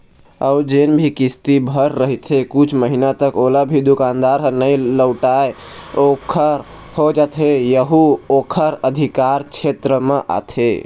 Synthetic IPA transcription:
əʊd͡ʒenbʱikist̪ibʱəɾːəɦit̪ʰekut͡ʃʰməɦinat̪əkolabʱid̪ukand̪aɾɦnəjləʊʈae | okʰəɾ | hod͡ʒat̪ɦejəɦuokʰəɾəd̪ʱikaɾt͡ʃʰet̪ɾəmeʔa̰t̪ʰe

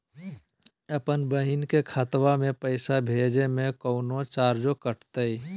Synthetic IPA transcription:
əpənbəɦɪnkekʰat̪wamẽpəɪsabʱeːd͡ʒemẽkəʊnot͡ʃaːɾd͡ʒokəʈt̪əi

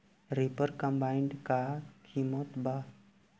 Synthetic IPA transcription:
ɾipəɾkə̃mbaɪɳɖkakʰimət̪ba

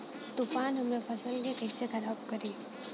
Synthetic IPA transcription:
t̪ufaːnɦɐmnepʰɐsəlketeksekʰɐɾaːbkəɾiː

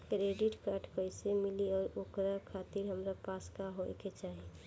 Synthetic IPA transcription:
kɾeɖɪʈkaːʈkəɪsemɪliɔːɾokɾakʰat̪iɾɦəmɾapaːskaɦojket͡ʃaːɦi

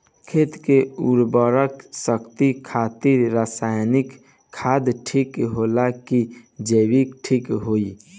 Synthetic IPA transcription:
kʰeːt̪keuɾbɔɾəksəkt̪ikʰaːt̪ɪɾɾaːsaːjnɪkʰː | aːd̪ʈʰikɦoːlakid͡ʒeːwikʈʰikɦoːi

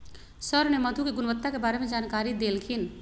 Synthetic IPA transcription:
səɾneməd̪ʱukeɡunʋət̪ːakebaɾemẽd͡ʒankaɾid̪elkʰin

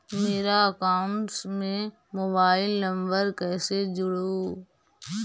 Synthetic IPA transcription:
meːɾaɐkaːʊnʈsmẽ | moːbaːɪlːə̃mbəɾkɛːsed͡ʒʊɽoː

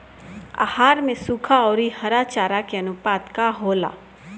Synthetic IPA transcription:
a̰ːhaːɾmẽsuːkʰaɔːɾihɐɾat͡ʃaːɾakeɐnʊpaːt̪kaɦoːla̰ː

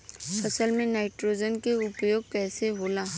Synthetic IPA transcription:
pʰəsəlmẽnaːɪʈɾoːd͡ʒənkeʊpjoːɡ̚kɛːseɦoːlaː

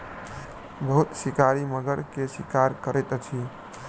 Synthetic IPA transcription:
bəɦut̪sikaɾiməɡəɾkesikaɾkəɾɛjt̪t͡ʃʰi

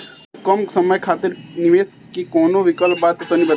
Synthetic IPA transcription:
kɐmsɐməjkʰaːt̪ɪɾnɪʋeːs | kikoːnoʋɪkəlpbaːt̪ːut̪ʰoːnibɐ

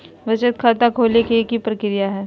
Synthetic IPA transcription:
ʋɪt͡ʃət̪̚kʰaːt̪akʰoːlekekipɾəkɪɾɪjaɦɛː

